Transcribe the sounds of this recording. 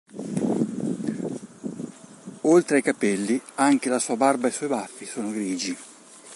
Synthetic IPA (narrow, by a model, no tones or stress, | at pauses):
olt̪ɾeajkapɛlːiaŋk̟elasuːabarbaesɔjbafːisoːnoɡɾiːd͡ʒi